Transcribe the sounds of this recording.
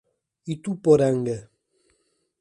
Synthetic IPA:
it̪upɔɾaŋɡɛ

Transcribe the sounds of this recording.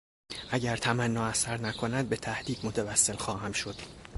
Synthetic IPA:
ʔæɟæɾt̪ʰæmænːɒːæsæɾnækʰo̞næd̪̚be̞t̪ʰæhd̪iːd̪mot̪ʰævæsːe̞lxɒːɦæmʃo̞d̪̥

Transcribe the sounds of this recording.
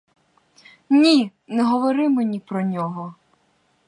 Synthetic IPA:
nʲi | nɛɦɔʋɔɾɪmɪnʲipɾɔnʲɔɦɔ

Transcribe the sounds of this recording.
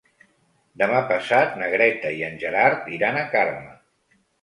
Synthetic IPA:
d̪əmapəsat̪nəɣɾɛt̪əiənʲʒəɾaɾt̪iɾanəkarmə

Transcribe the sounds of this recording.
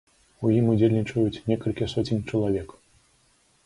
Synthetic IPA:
ujimud͡zʲelʲnʲit͡ʂɐjut͡sʲnʲɛkɐlʲkʲisɔt͡sʲinʲt͡ʂɐlˠavʲɛk

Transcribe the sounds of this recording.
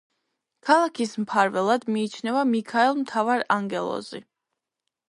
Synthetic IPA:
kʰalˠakʰismpʰaɾvɛlˠad̪miːt͡ʃʰnɛvamikʰaɛlˠmt̪ʰavaɾaŋɡɛlˠɔ̰zḭ

